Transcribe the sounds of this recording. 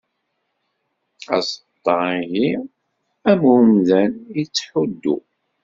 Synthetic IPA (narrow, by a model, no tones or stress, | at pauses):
æ̰sət̪ˤːɑiʝi | æmunðænət͡sːħud̪ːṵ